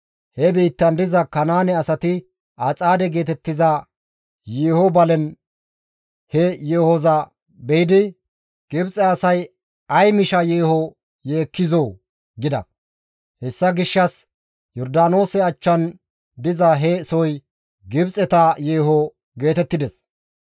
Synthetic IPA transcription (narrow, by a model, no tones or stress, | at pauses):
hɛbiːt̪ːɐnd̪ɪzɐkɐnaːnɛɐsɐt̪ɪ | ɐt͡sʼaːd̪ɛɡe̞ːt̪ɛt̪ːɪzɐ | jeːhɔbɐlɛn | hɛjeːhɔzɐ | bɛjɪd̪ɪ | ɡ̥ɪbt͡sʼɛɐsɐj | ɐjmɪʃɐjeːhɔ | jeːkːɪzoː | ɡɪd̪ɐ̰ | hɛsːɐɡɪʃːɐs | jɔɾd̪aːno̞ːsɛɐt͡ʃːɐn | d̪ɪzɐɦɛsɔj | ɡɪbt͡sʼɛt̪ɐjeːɦɔ | ɡe̞ːt̪ɛt̪ːɪd̪ɛs